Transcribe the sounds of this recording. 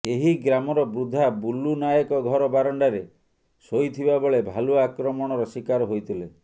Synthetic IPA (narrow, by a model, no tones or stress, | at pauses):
eɦiɡɾamɔɾɔbɾud̪ʱabulːunajɔkɔɡʱɔɾɔbaɾɔɳɖaɾe | sojt̪ʰibabɔɭebʱaluakɾɔmɔɽ̃ɔɾɔsikaɾɔɦojt̪ʰile